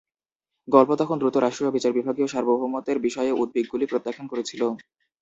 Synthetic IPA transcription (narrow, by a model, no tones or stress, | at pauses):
ɡɔlpot̪ɔkʰond̪ɾut̪oɾaʃʈɾoobit͡ɕaɾbibʱaɡioʃaɾbomoɦumːot̪eɾbiʃɔeeʔud̪̚beɡːulipɾot̪ːakʰːonkoɾet͡ɕʰilo